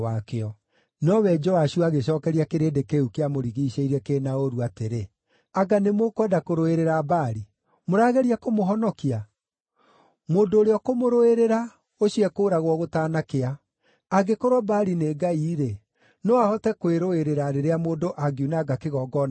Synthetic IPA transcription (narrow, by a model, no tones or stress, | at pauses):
wakeɔ | nɔwɛd͡ʒɔaɕuaɣeɕɔːkɛɾiakeɾeːndekeukeamoɾiɣiːɕeiɾɛkeːnaoɾuateɾe | aɡanemokwɛdakoɾoeɾeɾabaːɾi | moɾaːɣɛɾiakomoɦɔnɔkia | moːndoːɾeɔkomoɾoeɾeɾa | oɕiɛkoːɾaɣwɔɣotaːnakeaː | ɡekoɾwɔbaɾineːɡaiːɾe | nɔahɔtɛkweɾoeɾeɾaɾeɾeamoːndoʔaɡiunaɡakeɣɔɡɔn